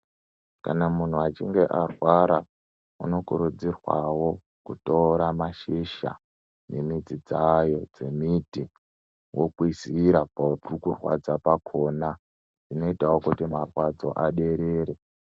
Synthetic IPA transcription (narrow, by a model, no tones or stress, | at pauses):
ka̰namun̤uat͡ʃiŋɡe̞ʔarwaɾa | ṵno̞kuɾud͡zirwawo̞ | kutoɾamaʃiʃa̰ | ne̞mid͡zid͡zajo̞d͡ze̞miti | wʔokwisiɾapautrukurwa̰d͡zapakʰo̞na | d͡zino̞itawokutimarwad͡zo̞̰ʔaɗe̞ɾeːɾe